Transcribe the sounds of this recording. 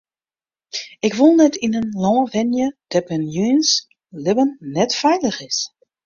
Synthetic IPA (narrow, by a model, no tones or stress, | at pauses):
ɪkʋulˠnɛtinənlɔ̃ːʋɛnjəd̥ɛpənjyns | lɪbənːɛtfɛjləxɪs